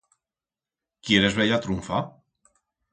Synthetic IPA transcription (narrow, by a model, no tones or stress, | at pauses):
kjeɾezβeʎat̪ɾuɱfa